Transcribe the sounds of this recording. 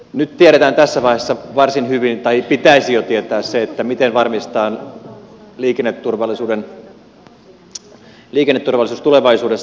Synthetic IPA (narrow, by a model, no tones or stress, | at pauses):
nyt̪t̪ieɾet̪æːnt̪æsːæʋɑihesːɑʋɑrsinhyʋint̪ɑipit̪æisijot̪iet̪æːsseet̪ːæmit̪enʋɑrmist̪ɑːn | liːkenːet̪ːurʋɑlːˑisuːden | liːkenːet̪ːurʋɑlːˑisuːst̪uleʋɑisuːdesː